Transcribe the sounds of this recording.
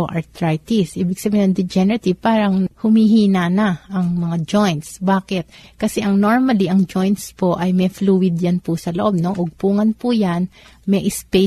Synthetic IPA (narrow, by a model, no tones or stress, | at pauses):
oʔɐt̪ɾajt̪isʔiːbɪɡsɐbiːnɐŋd̪ɛd͡ʒɛnɛɾɐt̪ɪpaːɾɐŋhʊmiɦiːnanɐʔɐŋmɐŋad͡ʒojnt̪sbaːkɪt̪̚kɐsɛʔɐŋno̞ɹmɐliʔɐŋd͡ʒojnt̪spoʔɐjmɛfluːwɪd̪janpʊsɐloʔo̞b̚no̞ʔʊɡ̚puːŋɐnpʊjanmɛʔɪspe